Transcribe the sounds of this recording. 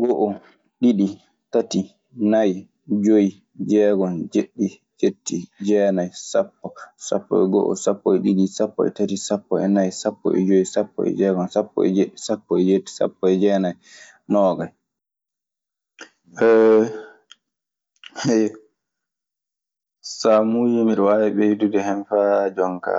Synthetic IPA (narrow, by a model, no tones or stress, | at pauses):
ɡɔʔɔ | ɗiɗi | tati | naj | d͡ʒoji | d͡ʒɛːɡɔnd͡ʒeɗːi | d͡ʒetːid͡ʒɛːnajsapːɔsa̰pːɔ̰ɛɡɔ̰ʔɔ̰sapːɔɛɗiɗisapːɔ̰ɛ̰tatisapːɔɛnajsapːɔ̰ɛ̰d͡ʒojisapːɔ̰ɛ̰d͡ʒɛːɡɔnsapːɔ̰ɛ̰d͡ʒeɗːisapːɔɛd͡ʒetːi̥sa̰pːɔɛd͡ʒɛːnaj | nɔːɡaj | ʔɛ | hɛj | samud͡ʒumiɾwawɛɓɛjdudɛhɛnfad͡ʒɔŋka̰